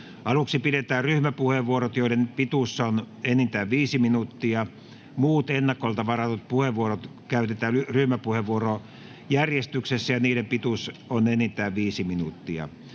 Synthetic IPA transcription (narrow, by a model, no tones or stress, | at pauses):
ʔɑluksipiɾet̪æːrryhmæpuheʋʋuorot̪joilenpit̪usːɑon | enːint̪æːʋʋiːsiminut̪ːiɑ | muːt̪enːɑkːˑolt̪ɑʋɑrɑt̪ut̪̚puheʋuorot̪kæyt̪et̪æːyryhmæpuheʋʋuoro | jærjest̪yksesːæjɑniːɾempit̪usonenːit̪æːʋʋiːsiminut̪ːiɑ̰